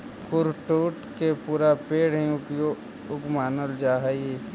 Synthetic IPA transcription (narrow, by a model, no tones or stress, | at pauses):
kʊɾʈuːʈkepuːɾapeːɽɦɛ̃o | ʊpmaːnəld͡ʒaːɦe